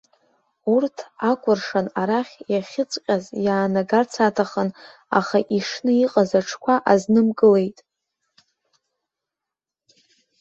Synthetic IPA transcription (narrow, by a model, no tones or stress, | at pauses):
urtʰakʷʰʼʊrʂanaɾaχʲjaχʲɪt͡sʼqʲʼazjaːnaɡart͡sʰatʰaχən | a̰χaʔiʂnɨiqʼazaʈ͡ʂʰkʷʰaʔaznɨmkʼɨle̞jtʼ